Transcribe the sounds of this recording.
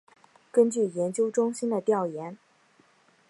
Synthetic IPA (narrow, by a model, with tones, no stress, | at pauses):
kə˥nt͡ɕy˥˩jɛ˧˥nt͡ɕjo˥ʊʈ͡ʂʊ˥ŋɕi˥nd̪ə˨t̪jɑ˥˩ʊjɛ˧˥n